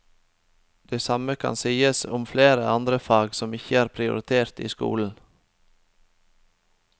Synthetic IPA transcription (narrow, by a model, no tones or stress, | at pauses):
d̪̥eːsɑməkʰɑ̰nsiːəsʊmfleːɾəɑnd̪ɾəfɑːɡsɔmɪçəæːɾpʰɾɪʊ̰ɾɪt̪ʰeːɾt̪ḭːskṵːln̩